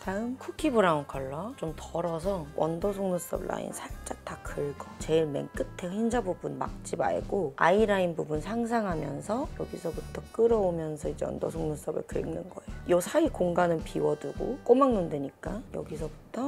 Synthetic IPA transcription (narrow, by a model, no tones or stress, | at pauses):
taɯmkʰukʰibuɾankʰʌɭːat͡ɕomtʌɾʌsʰʌwʔʌ̰ndʌsʰoŋnus͈ʌ̰bla̰ḭnsʰaɭt͡ɕ͈ak̚takʰɯɭɡʌt͡ɕe̞ɭme̞̰ŋk͈ɯtʰe̞çind͡ʑabubunma̰k̚t͡ɕ͈iba̰ḛɡoa̰iɾainbubunsʰaŋs̬ʰaŋɦamjʌnsʰʌjʌɡisʰʌbutʰʌk͈ɯɾʌomjʌnsʰʌid͡ʑeʌ̰ndʌsʰoŋnus͈ʌbɯ̰ɭkɯeŋnɯnɡʌejojʌsʰaikoŋɡanɯnpiwʌduɡo̰k͈omaŋnunde̞ɲik͈ajʌ̰ɡisʰʌbutʰʌ